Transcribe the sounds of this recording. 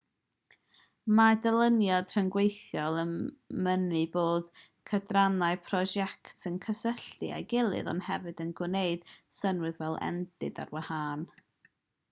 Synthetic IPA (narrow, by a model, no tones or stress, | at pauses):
madəlˠənjɔd̥r̥əŋɡwejθjɔlˠəmənɨboːð | kʰədranaɨpʰrɔʒɛktʰənkʰəsəɬɨ̰a̰jɡɪlˠɨ̰ðɔ̰nhɛvɨdənɡwneɨd̥sənwɨɨðvɛlˠɛ̰nd̥ɨda̰rwahaːn